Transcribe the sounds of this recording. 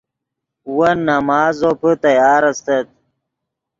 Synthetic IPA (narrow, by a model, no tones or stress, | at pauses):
wɐnːɐmaːzopət̪ɐjaːɾɐst̪ɐt̪̚